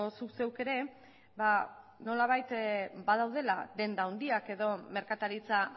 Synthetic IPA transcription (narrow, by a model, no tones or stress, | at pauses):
osukse̞wke̞ɾe̞ | ba | no̞laβ̞ajt̪bað̞awð̞e̞lad̪e̞nd̪aond̪iake̞ðo̞me̞ɾkat̪aɾit͡sa